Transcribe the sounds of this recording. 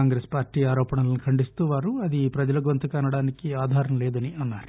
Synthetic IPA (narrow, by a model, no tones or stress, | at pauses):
aːŋɡɾeːspaːɾʈːiːaːɾɔːpɐɳɐlɐnukʰɐɳɖist̪uːʋaːɾuɐd̪ipɾɐd͡ʒɐlɐɡʋɐnt̪ɐkaːnɐɽaːnikiaːd̪ʱaːɾɐmleːd̪ɐniʔɐnːaːɾu